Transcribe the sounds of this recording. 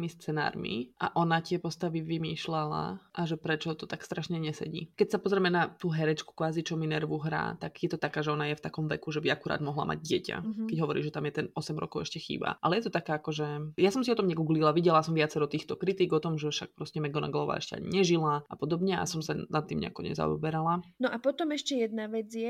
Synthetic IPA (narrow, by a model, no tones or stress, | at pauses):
mist͡sɛna̰ːɾmḭʔa̰ʔɔnac̪ɪɛpɔst̪aʋiʋimiːʃlala̰ʔaʒɛpɾɛt͡ʃɔt̪ɔt̪akst̪ɾaʃɲɛɲɛsɛ̰ɟḭːkɛcsapɔzɾɛmɛnat̪uːɦɛɾɛt͡ʃku̥kʋaːzit͡ʃɔminɛɾʋuɦɾa̰ːt̪aɡjɛt̪ɔt̪akaːʒɛɔnajɛft̪akɔmʋɛ̰kuʒɛbiakuɾa̰ːd̪mɔɦla̰ma̰ɟɟɪɛca̰kɛɟɦɔʋɔɾiːʒɛt̪amjɛt̪ɛnɔsɛmɾɔ̰kɔʊɛʃcɛxḭːba̰ʔalɛjɛt̪ɔt̪akaːakɔʒɛjasɔmsiɔt̪ɔmɲɛɡuːɡlilˠaʋiɟɛlasɔmʋɪat͡sɛɾɔt̪iːxt̪ɔkɾit̪iɡɔt̪ɔmʒɛfʃak̚pɾɔscɛmɛɡɔna̰ɡlɔʋa̰ːɛ̰ʃcɛa̰ɲḭɲɛʒilaʔapɔd̪ɔbɲɛa̰sɔmsanat̪ːiːmɲɛ̰a̰kɔ̰ɲɛ̰za̰ɔ̰bɛɾalanɔʔapɔt̪ɔmɛʃcɛjɛd̪naʋɛd͡zjɛ